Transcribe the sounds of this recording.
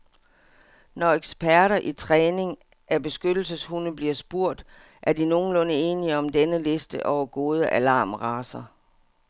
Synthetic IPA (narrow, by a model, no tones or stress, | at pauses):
nɒeɡ̥sb̥æɐɾɐʔit͡sʰʁɛːne̝ŋ | ʔæb̥e̝sɡ̥ød̥l̩səshunəb̥liɐsb̥uɐ̰d̥ | ʔæɐdino̝ːn̩lɔ̽nəe̝ːniəɒ̽md̥enəle̝sd̥əʔɒʊɐɡ̥o̝ːð̞ˠəʔælɑ̈ːmʁɑ̈ːsɐ